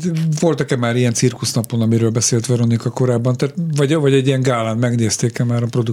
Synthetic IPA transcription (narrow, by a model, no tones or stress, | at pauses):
vo̞lt̪ɒkɛmːaːɾijɛnt̪sirkusnɒpo̞nɒmiɾøːlbɛseːlt̪ʋɛɾonikɒko̞ɾaːbːɒnt̪aːt̪vɒɟvɒɟɛɟːiɛŋɡaːlaːnmɛɡneːst̪eːkɛmaːɾɒpro̞d̪u